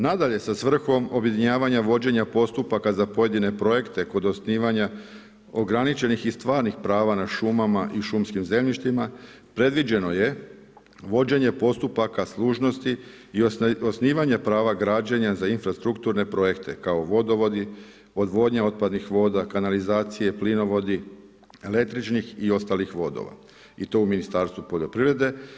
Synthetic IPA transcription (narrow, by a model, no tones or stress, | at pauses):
nad̪aʎe̞sasʋr̩xo̞mo̞bje̞d̪iɲaːʋaɲaʋo̞d͡ʑe̞ɲapo̞st̪upakazapo̞je̞d̪ine̞pɾo̞je̞kt̪e̞ko̞d̪osniːʋaɲa | o̞ɡɾanit͡ʃe̞nixist̪ʋaːɾnixpɾaːʋanaʃumamaʔiʃumskimze̞mʎiʃt̪ima | pɾe̞d̪ʋid͡ʑe̞no̞je̞ | ʋo̞d͡ʑe̞ɲe̞po̞st̪upakaslˠuːʒno̞st̪iː | osniːʋaɲe̞pɾaːʋaɡɾaːd͡ʑeɲazainfɾast̪ɾukt̪uɾne̞pɾo̞je̞kt̪ʰe̞̰kao̞ʋo̞d̪o̞ʋo̞d̪i | o̞d̪ʋo̞ːd̪ɲao̞t̪̚pad̪nixʋo̞ːd̪akanalizaːt̪sije̞plino̞ʋo̞d̪i | ele̞k̚t̪ɾit͡ʃnixio̞st̪aːlixʋo̞d̪o̰ʋa̰ | it̪o̞uminist̪aɾst̪ʋupoʎʲo̞pɾiʋɾe̞d̪e̞